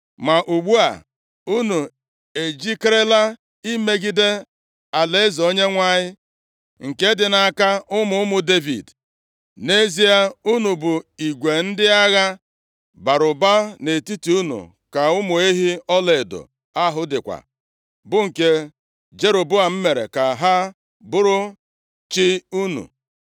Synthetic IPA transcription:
ma˨ʔu˨ɡ͡bu˦a̰˨ | u˦nu˨ | e˨d͡ʒi˦kɾe˦la˦ | i˦me˦ɡi˦de˦ | a˨le˦zo˦ɲe˦ŋʷa˦ɲɪ˦ | ŋ̩˨ke˦dɪ˨na˨ka˦ʊ˦mʊ˦ʊ˦mʊ˨de˦vḭ˨d | ne˦zi˦a˦u˦nu˨bʊ˨i˨ɡʷe˨n̩˦dɪ˦a˦ɣa˦ | ba˨ɾʊ˨ba˦ne˨ti˦ti˨u˦nṵ˨ | ka˨ʊ˦mʊ˨e˦ɦi˦ɔ˦le˨do̰˨ | a˦ɦʊ˦dɪ˨kʷa̰˨ | bʊ˦ŋ̩˨ke˦ | d͡ʒe˦ɾo˨bʊ˦a˨m̩˦me˨ɾḛ˨ka˨ɦa˦ | bʊ˦ɾʊ˦ | t͡ʃɪ˦u˦nṵ˨

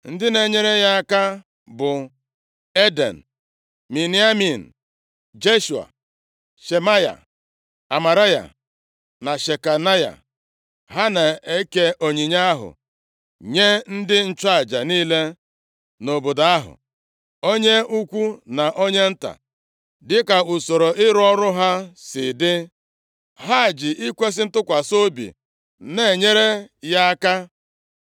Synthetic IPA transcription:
n̩˦dɪ˦ne˨ɲe˦ɾe˦ja˦a˦ka˦ | bʊ˨ | e˦de˨n̩˨ | mi˨ni˦a˦mi˨n̩˨ | d͡ʒe˦ʃu˨a̰˨ | ʃe˨ma˦ja̰˨ | a˨ma˨ɾa˦ja̰˨ | na˨ʃe˨ka˨na˦ja̰˨ | ɦa˦na˨e˦ke˦ʔo˨ɲi˨ɲa˦a˦ɦʊ̰˨ | ɲe˦n̩˦dɪ˦n̩˦t͡ʃa˦˨d͡ʒa˨niː˦le˦ | no˨bo˨da˨a˦ɦʊ̰˨ | o˦ɲe˦u˦kʷu˦na˨ʔo˦ɲe˦n̩˦ta̰˨ | dɪ˦ka˨u˨so˨ɾo˨ɪ˦ɾɔ˦ɾʊ˦ɦa˦sɪ̰˨dɪ˦ | ɦa˦˨d͡ʒɪ˨ʔi˦kʷe˦s̬ɪ˦n̩˦tʊ˦kʷa˨so˦bḭ˨ | ne˦˨ɲe˦ɾe˦ja˦a˦ka˦

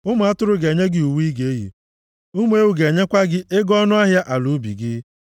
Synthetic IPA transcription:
ʊ˦mʊ˨a˦tʊ˦ɾʊ˨˦ɡe˨ɲe˦ɡɪ˦u˨wi˦ɡe˨e˦ɦḭ˨ | ʊ˦m˨˦e˦wu˨ɡe˨ɲe˦kʷa˦ɡɪ˦ʔe˦ɡɔ˦nʊ˦a˦ɦja˦ʔa˨lu˨˦bḭ˨ɡɪ˦

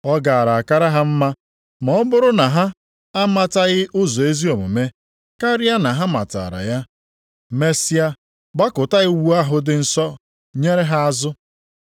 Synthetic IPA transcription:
ɔ˦ɡa˨a˨ɾa˨a˨ka˦ɾa˦ɦa˦m̩˦ma˦ | mɔ˨ɔ˦bʊ˦ɾʊ˦na˨ɦa˦ | a˦ma˨ta˦ɣɪ˦ʔʊ˦zɔ˨e˦zi˦o˨mʊ̰˨me˦ | ka˦ɾi˦a˦na˨ɦa˦ma̰˨ta̰˨ɾa̰˨ja˦ | me˦si˦a˦ | ba˦kʊ˨ta˦ɣɪ˦wu˦a˦ɦʊ˦dɪ˨n̩˨sɔ˦ | ɲe˦ɾe˦ɦa˦a˦zʊ˦

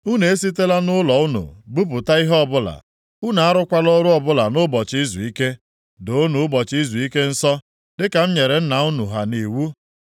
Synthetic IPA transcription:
u˦ne˨e˦s̬i˦te˦la˦nʊ˦lɔ˨ʊ˦nṵ˨bu˦pʊ˨ta˦i˦ɦɔ˦bʊ˦la̰˨ | u˦na˨a˦ɾʊ˦kʷa˦lɔ˦ɾʊ˦ɔ˨bʊ˦la˨nʊ˦bɔ˨t͡ʃi˦zu˨i˦ke˦ | do˨˦nu˨ʊ˦bɔ˨t͡ʃi˦zu˨i˦ke˦n̩˦sɔ˦ | dɪ˦ka˨m̩˦ɲe˨ɾe˨n̩˦na˨u˦nu˨ɦa˨ni˨wu˦

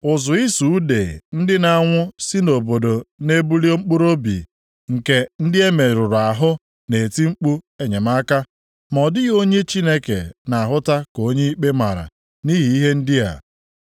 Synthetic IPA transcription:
ʊ˨zʊ˨i˦su˨˦dḛ˨n̩˦dɪ˦na˦ŋʷʊ˦si˦no˨bo˨do˨ne˦bu˦li˦o˦ŋ͡m̩˦k͡pu˦ɾo˦bḭ˨ | ŋ̩˨ke˨n̩˦dɪ˦e˦me˨ɾʊ˨ɾʊ˨a˨ɦʊ˦ | ne˨ti˦ŋ͡m̩˦k͡pu˦e˦˨ɲe˨m˦a˦ka˦ | mɔ˨dɪ˦ɣo˦ɲe˦t͡ʃi˦ne˦kḛ˨na˨a˨ɦʊ˦ta˦ko˦ɲe˦i˦k͡pe˦ma˨ɾa̰˨ | ni˦ɦi˨i˦ɦe˦n̩˦dɪ˦a̰˨

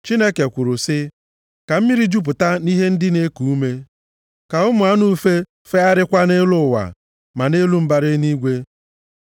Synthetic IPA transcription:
t͡ʃi˦ne˦ke˨kʷʊ˨ɾʊ˨sɪ˦ | ka˨m̩˦mi˦ɾi˦d͡ʒu˦p̬ʊ˨ta˦ni˦ɦe˦n̩˦dɪ˦ne˦ku˨u˦me˦ | ka˨ʊ˦mʊ˨a˦nu˦fe˦ | fe˦a˦ɾɪ˦kʷa˦ne˦lʊ˦˨wa̰˨ | ma˨ne˦lu˦m̩˦ba˨ɾɪ˦ni˦ɡʷe˦

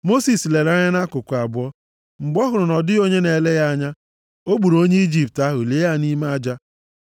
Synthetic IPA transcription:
mo˦si˨sle˨ɾa˦ɲa˦na˦kʊ˨kʷa˨bʊ˦ɔ˦ | ŋ͡m̩˨ɡ͡bɔ˦ɦʊ˨ɾʊ˨nɔ˨dɪ˦o˦ɲe˦ne˨le˦ja˦ɲa˦ | o˦ɡ͡bu˨ɾo˦ɲe˦i˦d͡ʒi˦˨p̚ta˦ɦʊ˨le˨˦ja˦˨ni˦ma˦a˦d͡ʒa˦

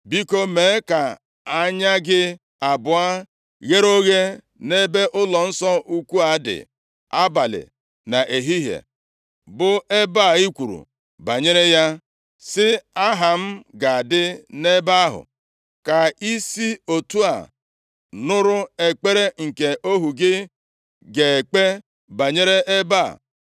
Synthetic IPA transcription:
bi˦ko˦me˨˦ka˨ | a˦ɲa˦ɡɪ˦ | a˨bʊ˨a˦ | ɣe˦ɾo˦ɣe˦ | ne˦be˦ʔʊ˦lɔ˨n̩˦sɔ˦ʔu˦kʷu˦a˨˦dɪ̰˨ | a˦ba˨lɪ̰˨ | na˨ʔe˨ɦi˦ɦḛ˨ | bʊ˦e˦ba˦˨i˦kʷu˨ɾṵ˨ | ba˨ɲe˦ɾe˦ja˦ | sɪ˦a˦ɦa˨m̩˦ɡa˨a˨dɪ˦ne˦ba˦ɦʊ̰˨ | ka˨i˦si˦o˨tu˦a̰˨ | nʊ˦ɾʊ˦e˨k͡pe˦ɾe˦ŋ̩˨ke˨ʔo˦ɦu˨ɡɪ˦ | ɡe˨k͡pe˦ | ba˨ɲe˦ɾe˦ʔe˦ba̰˦˨

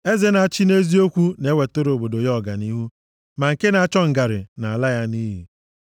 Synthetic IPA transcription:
e˦ze˦na˨a˨t͡ʃi˦ne˦zi˦o˦kʷu˦ne˨˦we˨to˦ɾo˨bo˨do˨jɔ˦˨ɡa̰˨ni˦ɦu˦ | ma˨ŋ̩˨ke˦na˨a˦˨t͡ʃɔ˦ŋ̩˨ɡa˨ɾɪ̰˨na˨a˨la˦ja˦ni˦ɦḭ˨

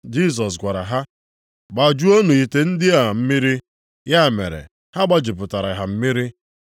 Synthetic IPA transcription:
d͡ʒi˦˨s̬ɔ˨s̬ɡʷa˨ɾa̰˨ɦa˦ | ɡ͡ba˨d͡ʒu˦o˦nu˨i˨te˨n̩˦dɪ˦a˨m̩˦mi˦ɾi˦ | ja˦˨mḛ˨ɾḛ˨ | ha˦ɡ͡ba˦d͡ʒi˨pʊ˨ta˨ɾa˨ɦa˨m̩˦mi˦ɾi˦

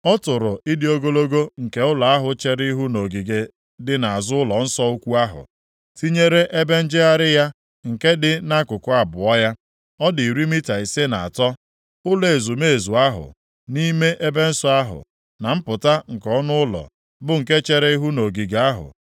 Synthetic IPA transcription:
ɔ˦tʊ˨ɾʊ˨i˦dɪ˦o˦ɡo˦lo˦ɡo˦ŋ̩˨ke˦ʊ˦la˨a˦ɦʊ˨t͡ʃe˦ɾɪ˦i˦ɦu˦no˨ɡi˨ɡe˨ | dɪ˨na˨a˨zʊ˦ʊ˦lɔ˨n̩˦sɔ˦u˦kʷu˦a˦ɦʊ̰˨ | ti˦ɲe˦ɾe˦ʔe˦be˦n̩˦d͡ʒɪ˦a˦ɾɪ˦ja˦ | ŋ̩˨ke˦dɪ˦na˦kʊ˨kʊ˦˨a˨bʊ˨ɔ˦ja˦ | ɔ˦dɪ˨i˨ɾi˦mi˦ta˨i˨se˦na˨a̰˨tɔ˦ | ʊ˦le˨zu˨me˦e˨zu˨a˦ɦʊ̰˨ | ni˦me˦ʔe˦be˦n̩˦sɔ˦a˦ɦʊ̰˨ | na˨m̩˦pʊ˨ta˦ŋ̩˨kɔ˦nʊ˦ʊ˦lɔ̰˨ | bʊ˨ŋ̩˨ke˦t͡ʃe˦ɾe˦i˦ɦu˦no˨ɡi˨ɡe˨a˦ɦʊ̰˨

